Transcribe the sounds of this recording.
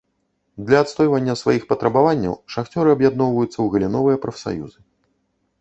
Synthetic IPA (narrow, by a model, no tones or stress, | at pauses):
d̪lʲɐːt̪st̪ɔjvɐnʲːɐsvajixpɐt̪ɾɐbavanʲːɐ̰wʂaxt͡sʲɔɾɨɐbjad̪nɔwvɐjut̪sːɐwɣɐlʲinɔvɨjɐpɾɐfsa̰jṵzɨ